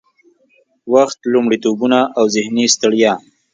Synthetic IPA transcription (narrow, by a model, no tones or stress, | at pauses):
waxt̪lʊmɽit̪obunaʔawzɪhnist̪əɽja